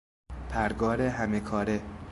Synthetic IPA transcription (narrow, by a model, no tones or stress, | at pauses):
pʰæɾɡɒːɾeɦæmekʰɒːɾe